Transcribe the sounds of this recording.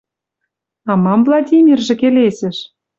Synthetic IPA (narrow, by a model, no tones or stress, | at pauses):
ɑmɑmvlˠɑdʲimʲirʒĕkelesɘ̆ʃ